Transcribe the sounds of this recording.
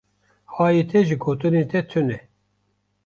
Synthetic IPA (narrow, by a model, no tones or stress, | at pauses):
hɑːjet̪ʰɛʒiɡoːt̪ɨneːt̪ɛt̪ʰɨnɛ